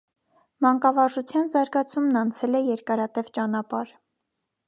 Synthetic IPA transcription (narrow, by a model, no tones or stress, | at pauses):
mɑŋkɑvɑʒut͡sʰjɑnzɑɾɡɑt͡sʰumnɑnt͡sʰɛlɛjɛɾkɑɾɑt̪ɛvt͡ʃɑnɑpɑɾ